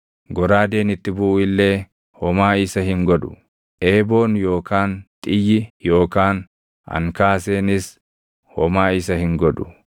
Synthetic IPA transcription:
ɡɔɾaːd̪e̞ːnɪt̪ːɪbʊʔʊɪlːe̞ː | hɔmaːɪsɐhɪŋɡɔd̪ʊ̥ | ʔe̞ːbo̞ːnjo̞ːkʰaːnt̪ʼɪjɪjo̞ːkaːn | ɐ̰ŋkaːse̞ːnɪs | hɔmaːɪsɐhɪŋɡɔᶑ̪ʊ̥

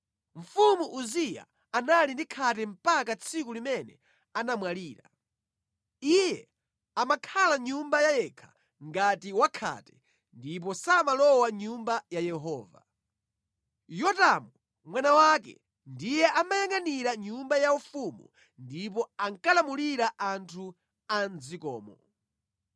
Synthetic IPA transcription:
ɱ̩fumuʔuzija̰ | analindikʰatɛm̩pakat͡sʰik̬ulimɛnɛ | anamwaliːɾa̰ | ijɛ | amakʰalaɲumbajajɛkʰḁ | ŋɡatiwakʰa̰tɛ̥ | ndip̬ɔsamalɔwaɲumbajajɛɦɔːva̰ | jɔtamu | mwanawakɛ̰ | ndijɛʔamajaŋaniɾaɲumbajaufumṵ | ndip̬ɔaŋkalamuliɾaʔantʰu | and͡zikɔ̰ːmɔ

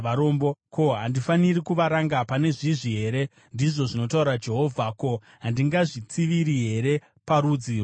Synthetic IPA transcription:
aɾo̞mboko̞ɦandifanirikuʋaɾaŋɡapane̞ʐiʐiɦe̞ɾe̞ | ndiʐo̞ʐino̞tauɾad͡ʒe̞ɦo̞vʱako̞ | ɦandiŋɡaʐit͡siʋiɾiɦe̞ɾe̞ | paɾuːd͡zi

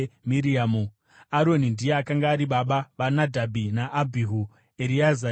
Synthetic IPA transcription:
miɾiamu | aɾo̞nindijeakaŋɡaːɾiɓaɓaʋanadʱabʱinaʔːbʱiɦu | eɾiaza

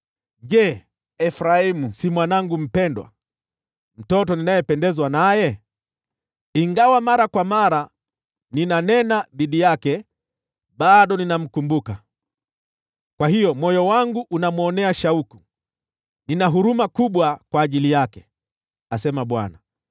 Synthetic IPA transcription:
ʄɛ | ɛfɾaimusimwanaŋɡum̩pɛndwa̰ | m̩tɔtɔninajɛpɛndɛzwanajɛ | iŋɡawamaɾakwamaɾa | ninanɛnaðiɗijakɛ | ɓaɗɔninam̩kumbuka | kwahijɔmɔjɔwaŋɡuʔːnamuɔnɛaʃauku | ninaɦuɾumakuɓwakwaːʄilijakɛ̥ | asɛmaɓwa̰na

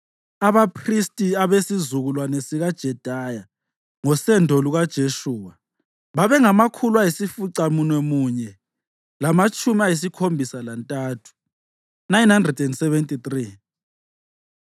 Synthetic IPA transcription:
aβapʰristʼiaβesizuɣulwanesiɣad̥ʒ̥ʱɛd̥ʱaja | ŋɔsɛndʱoluɣad̥ʒ̥ʱeʃuːwa | βaβɛŋamakʰulwajisifuǀamunwɛmuɲɛ | lamat͡ʃʼumiajis̬ikʰombʱisalantʼaːtʰu̥ | najnhandrɛdɛndsɛβɛntʼit̪ri

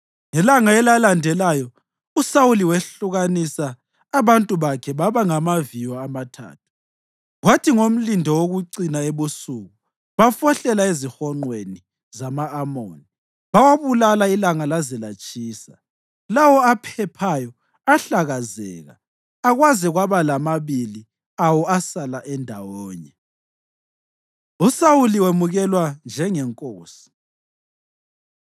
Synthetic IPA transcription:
ŋɛlaŋaɛlalandʱɛlajɔ | usawuliweɬuɣanisaː | βantʼuβakʰɛβaβaŋamavijɔːmatʰa̰ːtʰu̥ | ɣwatʰiŋom̩lindʱɔwoɣuǀinaeβusuːɣu | βafɔɬɛlaezixɔŋ͡ǃweni | zamaːmo̰ːni | βawaβulalailaŋalazɛlat͡ʃʼiːsa̰ | lawɔapʰɛpʰajɔ | aɬaɣazɛːɣa̰ː | ɣwazɛɣwaβalamaβili | awɔasalaʔɛndʱawɔːɲɛ | usawuliwemuɣɛlwand͡ʒʱɛŋɛŋkʼoːsi̥

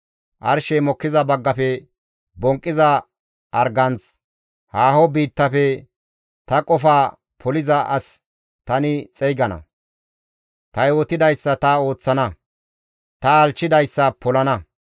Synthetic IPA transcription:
ʔɐɾʃɛmɔkːɪzɐbɐɡːɐfɛ | bɔŋkʼːɪzɐ | ʔɐɾɡɐnt͡s | haːhɔbiːt̪ːɐfɛ | t̪ɐkʼɔfaː | pʰɔlɪzɐʔɐs | t̪ɐnɪt͡sʼɛjɡɐnɐ̰ | t̪ɐjwɔt̪ɪd̪ɐjsːɐt̪ɐo̞ːt͡sːɐnɐ | t̪ɐːlt͡ʃːɪd̪ɐjsːɐpɔlɐnɐ

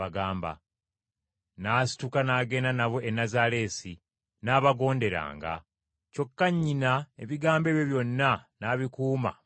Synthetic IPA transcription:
aɡaːmba̰ | naːsi̥tukanaːɡe̞nanaβwe̞ʔenazale̞ːsi | naːβaɡo̞ːnde̞ɾa̰ːŋɡa̰ | co̞kːaɲːinaeβiɡaːmbe̞ːβjeβjo̞nːanaβikuːma̰

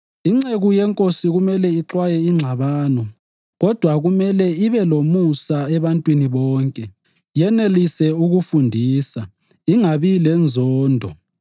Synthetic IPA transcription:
iŋ͡ǁeɣujɛŋkʼosiɣumɛlɛiǁwajɛiŋ͡ǁʱaβaːnɔ | ɣɔd̥ʱwaɣumɛlɛiβɛlomusaɛβantʼwiniβɔːŋkʼɛ | jɛnelisɛuɣufundʱiːsa | iŋaβilɛnd͡zʱɔːndʱɔ

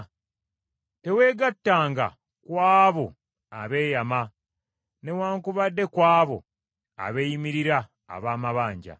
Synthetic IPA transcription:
te̞we̞ːɡatːaːŋɡa̰ | kwaːβo̞ | aβe̞ːjama | ne̞waːŋkuβadːe̞kwaːβo̞ | a̰βeːjimiɾiɾa̰ː | βaːmaβaːɲɟa̰

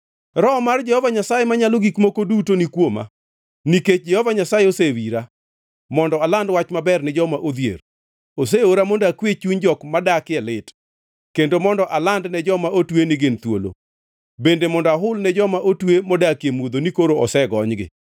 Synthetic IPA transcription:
ɾɔmard͡ʒɛhɔvaɲasajemaɲaloɡikmokodutonikwoma̰ | niket͡ʃ̚d͡ʒɛhɔvaɲasajeosewiɾa | mɔndɔalandwat͡ʃmabɛrnɛd͡ʒɔmaʔod̪jḛr | os̬eoɾamondakwet͡ʃuɲd͡ʒɔkmadakɪɛlɪt | kendomɔndɔʔalandnɛd͡ʒɔmaʔotwenɪɡɪnt̪wolo̰ | bendemɔndɔaɦʊlnɛd͡ʒɔmaʔotwemɔdakjemwod̪onikoɾoɔsɛɡɔɲɡɪ̰

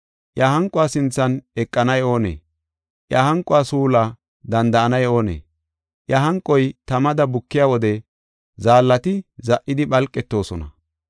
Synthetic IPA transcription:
ʔjɐhɐŋkʼʊaːsɪnt͡sːɐnɛkʼːɐnɐjo̞ːnḛː | ʔjɐhɐŋkʼːʊaːsuːla | d̪ɐnd̪ɐʔɐnɐjo̞ːnḛː | ʔjɐhɐŋkʼːɔjt̪ɐmɐd̪ɐbʊkːɪjawɔd̪ɛ | zaːlːɐt̪ɪzɐʔːɪd̪ɪɓɐlkʼːɛt̪ːo̞ːsɔnɐ̰

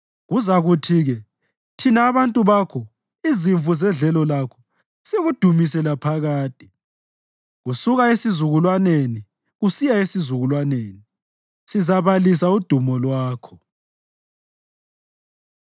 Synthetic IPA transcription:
ɣuzaɣutʰiɣɛ | tʰinaːβantʼuβakʰɔ | iziɱfuzɛnɮɛlɔlakʰɔ̥ | seɣud̥ʱumisɛlapʰaɣaːtʼi̥ | ɣusuɣaesizuɣulwaneni | ɣusijaesizuɣulwaneːni | sizaβalisaud̥ʱumɔlwaːkʰɔ

